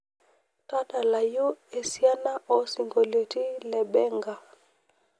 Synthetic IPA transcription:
ta˦ta˨la˨ju˦ɛ˨si˦a˦na˦ʔɔ˦si˨ŋɡo˨li˨ti˦lɛ˨bɛ˦ŋɡa˨

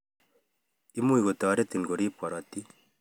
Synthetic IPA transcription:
i˦mu˦i˨ɣo˨t̪a˨ɾe˦t̪i˨ŋɡo˨ɾi˦pwa˨ɾa˨t̪i˦

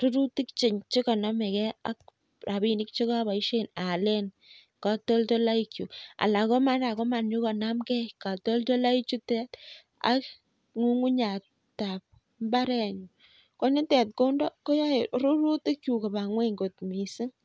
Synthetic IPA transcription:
ɾu˦ɾu˦ti˦kt͡ʃɪ˨ɲt͡ʃe˦kɔ˨na˦me˨kɛ˦a̰˦k̚ | ra˨βi˦ni˦k̚t͡ʃe˦ka˦βa˨i˦ʃe˦na˨le˦n | ka˨to˦lto˦la˦i˦kju˨a̰˨la˨kɔ˦ma˦nda˨kɔ˦ma˨nɲu˦kɔ˨na˦mkɛ˦ka˨to˦lto˦la˦i˦t͡ʃu˦tɛ˦t | a̰˦k | ŋu˦ŋu˦ɲa˨ | ta˨p̚ | mba˦ɾɛ˦ɲu | kɔ˦nɪ˦tɛ˨t̚ko˦ndɔ˦ko˦ja˦eɾu˦ɾu˦ti˦kju˨ka˨ba˨ŋwe˦ŋɡo˨tmi˨si˦ŋ

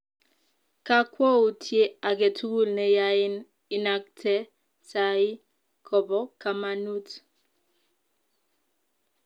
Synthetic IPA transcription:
ka˦kwɔ˦u˦tʰje˦a˨ke˨tʰu˦ɡu˦˨lnɛ˦ja˦ɪ˦n | ɪ˦na˦k̚tʰɛ˦ | ta˦ɪ˦ | kʰɔ˨bɔ˦ka˦ma˦nu˦t

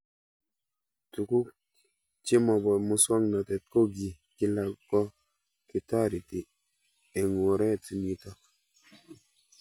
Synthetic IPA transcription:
tu˨ku˦k̚ | t͡ʃi˦mɔ˨bɔ˨mu˦sɔ˦ŋna˨tɛ˨t̚ko˦ɡi˨ | ki˦la˨kɔ˦ | ki˨ta˦˨ɾi˨ti˨ | e˨ŋo˨ɾɛ˦˨ti˨mi˦ta˦

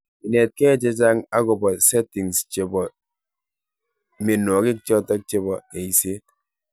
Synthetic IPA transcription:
i˨ne˨t̚kɛ˦˨t͡ʃe˦t͡ʃa˦ŋa˦kɔ˨bɔ˨sɛ˦ti˨ŋst͡ʃe˨bɔ˨ | me˨nɔ˨ki˦k̚t͡ʃɔ˦tɔ˦k̚t͡ʃe˦bɔ˨e˨i˨se˦

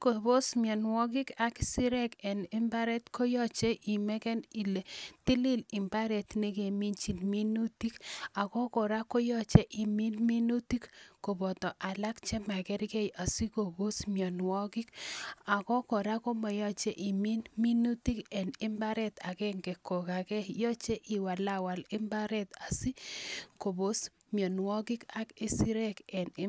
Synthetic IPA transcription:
ko˨bo˦smjɔ˨nwɔ˦k̬i˦ka˨ki̥˦si˦ɾɛ˦kɛ˨ni˦mba˦ɾɛ˦tkʰo˦jɔ˦t͡ʃe˦ʔi˨mɛ˦kɛ˦ni˨le˨ti˦li˦li˨mba˦ɾɛ˨tne˦ke˨mi˦nt͡ʃi˨nmi˦nu˦ti˦ka˨kɔ˦kɔ˨ɾa˦ko˦jɔ˦t͡ʃe˦ʔi˨mi˦nmi˦nu˦ti˦kːko˨bɔ˨tɔ˨ʔa˨la˦kt͡ʃe˦ma˨kɛ˦ɾkɛ˦jʔa˨si˦ko˨bo˦smjɔ˨nwɔ˦kɪ˦ka˨kɔ˦kɔ˨ɾa˦ko˦mɔ˨jɔ˦t͡ʃɛ˦ʔɪ˨mi˦nmi˦nu˦ti˦kɛ˨nɪ˦mba˦ɾɛ˦t̪a˨kɛ˦ŋɡe˨ko˨ka˨kɛ˦jɔ˦t͡ʃɛ˦ʔi˨wa˨la˦wa˨lɪ˦mba˦ɾɛ˦t̪a˨si˦ko˨bo˦s | mjɔ˨nwɔ˦kɪ˦ka˦ki˦si˦ɾɛ˦kɛ˨nɪ˦

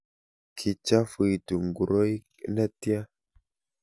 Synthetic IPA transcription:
kʰi˨t͡ʃa˦fɨ˨tu˨ŋ˨ɡu˨ɾo˦i˦ | na˦ti˦a˦

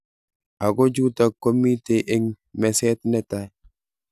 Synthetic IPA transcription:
a˨ɡo˦d͡ʒu˦ta˨kːo˦mi˦te˨ʔɪ˦ŋ | mɛ˨sɛ˦t̪nɛ˦t̪a˨j

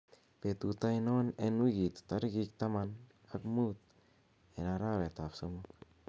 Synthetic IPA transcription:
pe˨t̪u˨t̪a˦jno˦ne˧nwi˦ɡi˨t̪t̪a˦ɾɡi˧k̚t̪a˦ma˧n | a˦kmu˦t̪̚ | e˨na˨ɾa˦βe˨t̪a˨pso˧mo˦k

